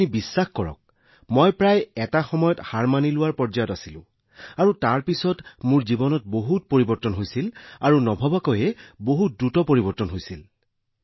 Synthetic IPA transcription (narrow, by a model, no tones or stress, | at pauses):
nibisːaxkɔɹɔ̰k̚ | mɔjpɹajɛtaxɔmɔjɔthaɹmanilʊwaɹpɔɹzajɔtasilʊ̰̃ | aɹutaɹpisɔtmʊɹzibɔnɔt̚boɦut̚poɹibɔɹtɔnɦojsilaɹunɔbʱɔbakɔjɛboɦut̚dɹutɔpoɹibɔɹtɔnɦojsil